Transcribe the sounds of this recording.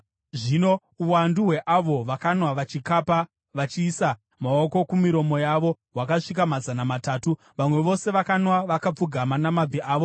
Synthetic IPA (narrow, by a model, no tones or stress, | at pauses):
ʐino̞ | uwanduɦwe̞ʔaʋo̞ʋakanwaʋat͡ʃikapa | ʋat͡ʃiːsa | mao̞ko̞kumiɾo̞mo̞jaʋo̞ɦwakaʂik̬amazanamataːtu | ʋamwe̞ʋo̞se̞ʋakanwaʋakap͡fuɡʱamanamabʱiʔaːʋo